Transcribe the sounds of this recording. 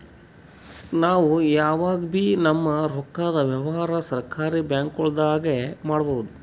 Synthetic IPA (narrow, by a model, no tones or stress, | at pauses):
naːʋujaːʋaːɡbiːnɐmːɐɾɔkːaːd̪ɐʋjɛʋɐɦaːɾɐsɐɾkaːɾibjaːŋkɔɭd̪aːɡemaːɽɐbɐwud̪u